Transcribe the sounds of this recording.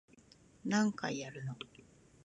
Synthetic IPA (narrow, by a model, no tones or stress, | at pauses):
nãŋka̰ijaɾɯ̟no